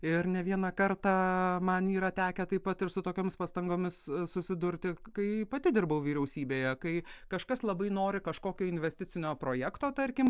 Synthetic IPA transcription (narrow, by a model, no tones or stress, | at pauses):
ɪɾnʲɛʋʲiɛnɐkɐɾt̪ɑːmɐniːɾɐt̪ʲæːkʲɛt̪ɐɪpɐt̪ɪɾsʊt̪oːkʲoːmʲɪspɑst̪ɐŋɡoːmʲɪssʊsʲɪd̪ʊɾʲt̪ʲɪkɐɪpɐt̪ʲɪd̪ʲɪrbɐʊʋʲiːɾʲɛʊsʲiːbʲeːjɛkɐɪkɐʃkɐslˠɐbɐɪnoːɾʲɪkɐʃkoːkʲoːɪnʲʋʲɛsʲt̪ʲɪt͡s̪ʲɪnʲoːpɾoːjækt̪oːt̪ɐɾʲkʲɪm